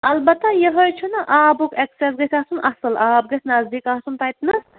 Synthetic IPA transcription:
ɐlbɐt̪ːɐjeɦojt͡ʃʰunɐʔaːbukeksesɡɐsʲaːsunɐsɨlaːb̚ɡɐsʲnɐzd̪iːkaːsunt̪ɐjt̪nɨs

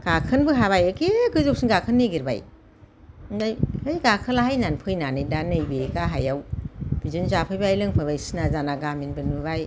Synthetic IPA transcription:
ɡ̥akʰɯnbɯɦaβajakeɡɯzuk̚sinɡakʰɯnːeɡiɾba̰j | ŋɡajhɯjɡakʰɯlaɦajnanpʰɯjnanɯjdanɯjbeɡaɦajawb̥izɯnzapʰɯjbajlɯŋpʰɯbajsinazanaɡaminbɯnubaj

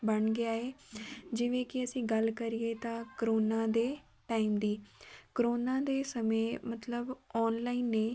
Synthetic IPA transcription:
bɐɽ̃ɡɪjaːɦeːd͡ʒɪʋẽkiɐsĩːɡɐlkəɾiet̪ãkəɾoːnãːd̪eː | ʈaːɪmd̪iːkəɾoːnãːd̪eːsɐmemɐt̪ləbɔːnlaːinːẽː

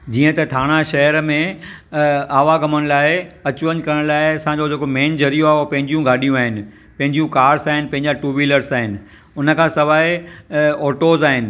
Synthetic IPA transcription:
d͡ʑiːə̃t̪ɐt̪ʰaːɽ̃aʃɐɦəɾmẽ | aːʋaɡɐməɽ̃ɪ̆laːɪɐt͡ɕʊʋəɲkɐɾəɽ̃laːɪɐsãɲd͡ʑod͡ʑʱeːkomẽːnd͡ʑʱɐɾijoaːɦopɐ̃ɦɪ̃ɲd͡ʑijũɡʱaːɗijũaːɦɪnɪ̆ | pɐ̃ɦɪ̃ɲd͡ʑijũkaːɾsaːɦɪnɪ̆pɐ̃ɦɪ̃ɲd͡ʑaʈuːʋiləɾsaːɦɪnɪ̆ | ʊnə̆kʰãːsɐʋaːe | ɔːʈoːzaːɦɪnɪ̆

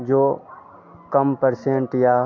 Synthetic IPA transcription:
d͡ʒoː | kəmpəɾsẽɳʈja

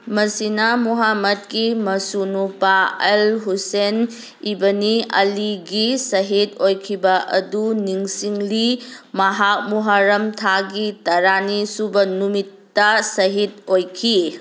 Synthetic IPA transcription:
mɐsinɐmuɦamɐt̚kimɐsunupaelɦusen | ibɐniɐliɡisɐɦitojkʰibɐʔɐ̰duniŋsiŋlimɐɦak̚muɦaɾɐmtʰaɡitɐɾanisubɐnumitːɐsɐɦit̚ojkʰi

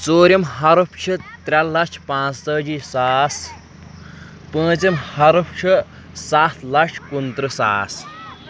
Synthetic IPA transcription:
t͡soːɾʲimɦɐɾupʰt͡ʃʰit̪ɾʲɐlːɐt͡ʃʰpãːt͡st̪əːd͡ʒisaːs | pə̃ːt͡simhɐɾupʰt͡ʃʰɨ | saːt̪ʰlɐʂʰkunt̪ɾɨsaːs

